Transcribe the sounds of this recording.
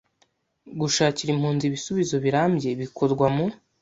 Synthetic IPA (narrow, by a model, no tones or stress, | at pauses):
ɡuʃaːciɾimhuːnziβisuβizo̞βiɾaːmbɟje̞βikʰo̞ɾɡwamu